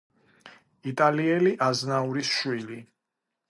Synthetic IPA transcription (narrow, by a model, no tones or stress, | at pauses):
it̪ʼaliɛliʔaznauɾisʃwili